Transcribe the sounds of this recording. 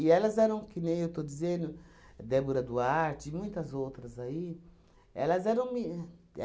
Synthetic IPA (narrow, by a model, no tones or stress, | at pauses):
ɪɛlɐzɛɾɐ̃w̃kɪnẽj̃ewt̪od͡ʒ̪izẽnd̪ʊd̪ɛboɾɐd̪ʊaɾt͡ʃɪːmũj̃t̪ɐzowt̪ɾɐzai | ɛ̰lɐzɛɾɐ̃w̃mi | ɛ̰